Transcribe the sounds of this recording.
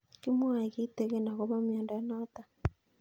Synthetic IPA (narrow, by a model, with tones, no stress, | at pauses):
ki˦mwa˨i˨ki˦tɛ˦ɣɛ˦na˨kɔ˦ma˦m˨ɛ˨ndɔ˨a˦nɔ˦ta˨